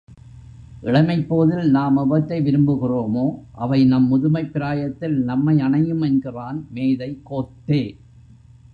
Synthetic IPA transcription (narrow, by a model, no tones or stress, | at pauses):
ʔɪɽɐmɐɪpːoːðɪlnaːmɐbɐt̪ːɐɪʋɪɾɯmbɯɣɪroːmoːʔɐʋɐɪnɐmːʊðʊmɐɪpːɪɾaːjɐt̪ːɪlnɐmːɐɪɐɳɐjɯmɛnɡɪraːnmeːðɐɪkːoːʈːeː